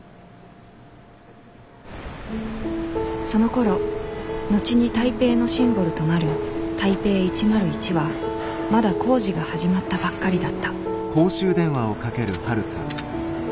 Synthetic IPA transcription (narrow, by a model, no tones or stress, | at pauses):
so̞noko̞ɾo̞no̞t͡ɕiɲ̟it̪aipe̞ːno̞ɕĩmbo̞ɾɯ̟t̪o̞naɾɯ̟t̪aipe̞ːit͡ɕimaɾɯ̟it͡ɕiβa | mad̪akʰo̞ːʑiɡahaʑimat̪ːabakːaɾʲid̪at̪ːḁ | kʰo̞ːɕɨːd̪ẽ̞ɰ̃βao̞kake̞ɾɯ̟haɾɯ̟t̪a̰